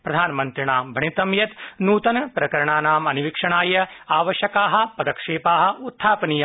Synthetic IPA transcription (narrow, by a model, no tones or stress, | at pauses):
pɾɐd̪ʱaːnɐmɐnt̪ɾiɳaːmbʱɐɳit̪ɐmjɐt̪nuːt̪ɐnɐpɾɐkɐɾɐɳaːnaːmɐniʋikʂɐɳaːjɐaːʋɐʃjɐkaːɦɐ̆pɐd̪ɐkʂeːpaːɦɐ̆ut̪ʰːaːpɐniːjɐ